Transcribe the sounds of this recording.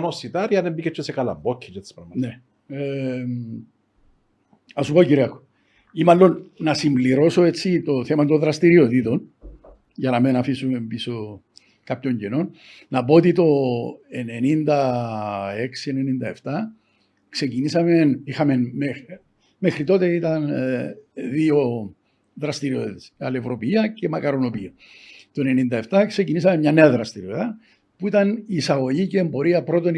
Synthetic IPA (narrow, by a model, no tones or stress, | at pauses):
nosit̪ɐɾiɐðembicet͡ʃʰːesekɐlɐ̰bbocʰːit͡ʃet̪i̥spɾɐɣmɐne | e | ɐsupociɾiɐko̥ | imalːo̞nːɐsimbliɾo̞so̞et͡sːit̪o̞θe̞mɐt̪oðɾɐst̪iɾiot̪it̪o̞n | ʝɐnɐmenɐfisume̞mbiso̞ | kapço̞ɲɟeno̞nː | ɐpo̞ot̪it̪o̞enenind̪ɐ | e̞ksie̞nenind̪ɐe̞ft̪ɐ | kse̞cinisɐme̞nixɐme̞nme | me̞xɾit̪o̞t̪e̞it̪ɐn | ðio̞ | ðɾɐst̪iɾio̞t̪esɐ̰levɾo̞piiɐce̞mɐkɐɾo̞no̞piɐ | t̪oene̞nind̪ɐe̞ft̪ɐkse̞cinis̬ɐmemɲɐne̞ɐðɾɐst̪iɾioðɐ | puit̪ɐnisɐɣo̞ʝiceːmbo̞ɾiɐpɾo̞t̪o̞n